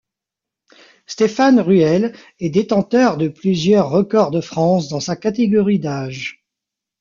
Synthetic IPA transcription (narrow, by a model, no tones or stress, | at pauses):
st̪efanʁyɛl | ɛd̪et̪ɑ̃t̪œʁd̪əplyzjœʁːəkɔʁd̪əfχɑ̃sd̪ɑ̃sakat̪eɡɔʁid̪aːʒ